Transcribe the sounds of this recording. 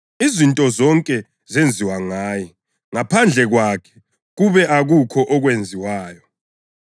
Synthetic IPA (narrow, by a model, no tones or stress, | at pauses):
izintʼɔzɔŋkʼɛ | zend͡zʱiwaŋaːjɛ | ŋapʰand͡ɮʱɛɣwakʰɛ̥ | ɣuβɛʔaɣukʰɔʔɔɣwend͡zʱiwaːjɔ